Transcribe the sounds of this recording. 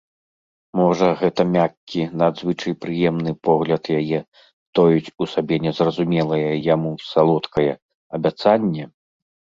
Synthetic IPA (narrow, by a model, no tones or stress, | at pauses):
mɔʐɐɣɛt̪ɐmʲakʲːinad̪zvɨt͡ʂɐjpɾɨjɛmnɨpɔɣlʲɐt̪jajɛ | t̪ɔjut͡sʲusabʲɛnʲɛzrɐzumʲɛlˠɐjɐjamusalˠɔt̪kɐjɛ | ɐbʲat̪sanʲːɛ